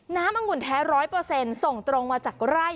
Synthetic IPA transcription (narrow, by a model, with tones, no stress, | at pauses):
naː˦˥mʔa˧ŋu˧˨˩nt̪ʰɛː˦˥ɾɔː˦˥jpɤː˧se˧nso˨˩ŋt̪ɾo˧ŋmaː˧t͡ɕaː˨˩k̚ɾa˥˩j